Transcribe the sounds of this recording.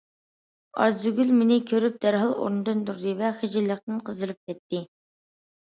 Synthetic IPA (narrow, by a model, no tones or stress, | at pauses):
ɑ̰ɾzyɡʲylmɪnɪkʲʰøɾyp̚d̪̥æɾɦɑlˠo̰ɾnɨd̪ɨnd̪uɾd̪ɨvɛχəd͡ʒilˠːəχt̪ɨnqʰəzɨɾɨp̚kʲɛt̪ʰːɪ